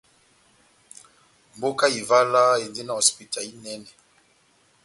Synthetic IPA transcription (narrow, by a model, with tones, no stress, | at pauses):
mbo˦ka˦i˨va˦la˦e˨nde˦na˨o˨spi˨ta˨li˦nɛ˦nɛ˨